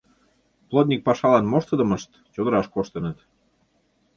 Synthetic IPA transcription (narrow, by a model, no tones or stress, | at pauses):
plˠot̪̬̚nʲik̚pɑʃɑlɑnmoʃt̪əd̪əməʃt̪ | t͡ɕod̪əɾɑʃkoʃt̪ənət̪